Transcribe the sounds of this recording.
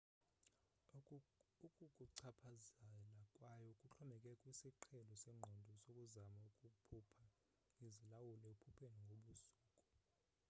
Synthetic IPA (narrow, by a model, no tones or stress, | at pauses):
ukʼukʼuǀʰapʰazɛalakʼwajɔukʼut͡ɬʰɔmɛkʼɛkʼwisiǃʰɛlɔsɛŋ͡ǃʱɔndʱɔsokʼuzamaukʼukpʰupʰa | izilawulɛepʰupʰeniŋɡʱoɓusuːkʼɔ